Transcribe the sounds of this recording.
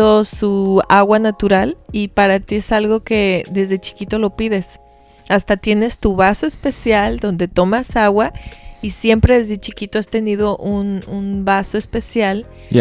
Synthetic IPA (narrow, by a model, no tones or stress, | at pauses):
osuaɣwanat̪uɾalipaɾat̪iesalɣo̞ke̞d̪e̞zðet͡ʃi̥kit̪o̞lo̞piðe̞s | ast̪at̪je̞ne̞st̪uβasoespesjald̪o̞nd̪e̞t̪omasaɣwaisje̞mpɾe̞ðe̞zðet͡ʃikit̪oast̪e̞nið̞o̞ʔununbasoespesjal